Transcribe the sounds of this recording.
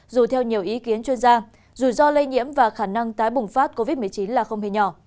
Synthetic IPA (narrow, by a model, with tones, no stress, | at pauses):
zu˨˩t̪ʰɛ˧wɲi˨˩əwʔi˨˦ki˨˦ənt͡ɕwi˧ənzaː˧ | zu˨˩zɔ˧le˧ɲḭ˧˥əmvaː˨˩xaː˧˩na˧ŋt̪aː˨˦jɓʊ˨˩ŋ͡mfa˦˥t̚ko˧vi˦˥t̚mɨ˨˩əjt͡ɕi˨˦nlaː˨˩xə˧wŋ͡mhe˧˩ɲɔ˧˩